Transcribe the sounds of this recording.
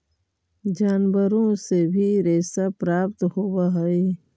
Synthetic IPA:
d͡ʒaːnbəɾõsebʱiɾɛːsapɾaːpt̪howaɦɐe

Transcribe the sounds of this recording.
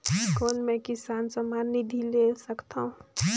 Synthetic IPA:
koːnmẽkisaːnsəmanid̪ʱilesəkt̪aũ

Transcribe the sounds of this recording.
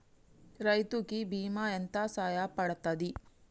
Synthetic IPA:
ɾɐjt̪ukibiːmaent̪asaːjapɐɽɐt̪ːɐd̪i

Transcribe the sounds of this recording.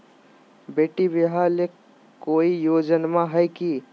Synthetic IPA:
beːʈibiɦale | koːijoːd͡ʒənmãɦəjki

